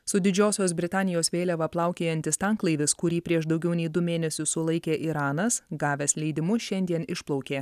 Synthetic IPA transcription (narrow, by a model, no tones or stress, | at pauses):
sʊd̪ʲɪd͡ʒʲoːsʲoːsbʲɾʲɪt̪ɑːnʲɪjoːsʋʲeːlʲɛʋɐplˠɑˑʊkʲeːjɛnʲt̪ʲɪst̪ɑŋklˠɐɪʋʲɪskʊɾʲiːpʲɾʲiɛʃd̪ɒʊɡʲɛʊnʲɛɪd̪ʊmʲeːnʲɛsʲʊssʊlˠɐɪkʲeːʔiːɾɑːnɐsɡɑːʋʲɛslʲɛɪd̪ʲɪmʊʃʲɛnʲd̪ʲiɛnɪʃplˠɒʊkʲeː